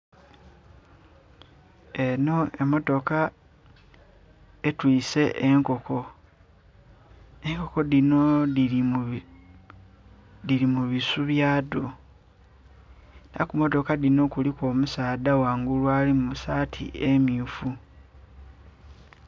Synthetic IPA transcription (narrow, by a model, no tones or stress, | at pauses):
e̞no̞e̞mːo̞to̞ka | etwiːse̞ʔeŋko̞kʰo̞ | e̞ŋko̞ko̞dino̞ii | dilimuβisuβjaːdo̞ | nakumo̞to̞kadino̞kuliko̞ːmusaːdawaːŋɡulwalimusaːtʰḭemiufu